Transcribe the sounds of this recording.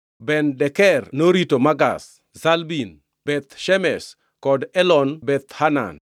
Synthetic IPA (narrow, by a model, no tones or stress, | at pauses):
bɛndɛkɛrnoɾitomaɡa̰s | zalbin | b̥ɛt̪ʃɛmɛs | kɔdɛlɔnbɛt̪hana̰n